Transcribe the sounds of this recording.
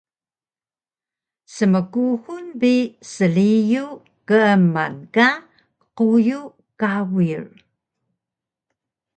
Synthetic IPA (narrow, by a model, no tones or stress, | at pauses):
səməkuhunbisəliju | kəəma̰nka | quju | kawir